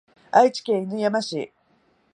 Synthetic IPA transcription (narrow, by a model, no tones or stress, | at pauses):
ait͡ɕi̥kʲeinɯjamaɕḭ